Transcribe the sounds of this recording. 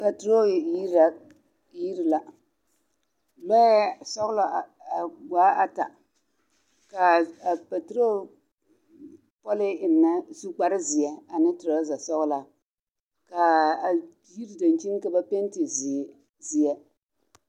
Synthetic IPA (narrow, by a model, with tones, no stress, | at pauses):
pa˨tɾo˦˨i˦˨˦ | ji˦ɾi˨la˨ | lɔ˦ja˦sɔ˦ɣʊ˦la˨a˨ɡaː˨˦ʔa˦ta̰˨ | ka˨a˨pa˨tɾo˦˨ | pɔ˦lɪ˦ɪ˨n˨na˦su˦k͡pa˦ɾɪ˦zi˨jɛ˦a˨nɨ˦tɪ˨ɾa˦za˨sɔ˦ɣʊ˦la˨ | ka˨ | ji˦ɾi˨da˨n˨t͡ʃi˦n˦ka˦ba˦pɛ˦n˦tɪ˨z | zi˨ɛ˦